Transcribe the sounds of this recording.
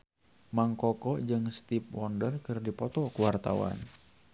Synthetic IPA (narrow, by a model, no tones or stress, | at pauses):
maŋkɔkɔd͡ʒɨŋst̪ip̚wɔndərkɨrdipɔt̪ɔkuwart̪a̰wa̰n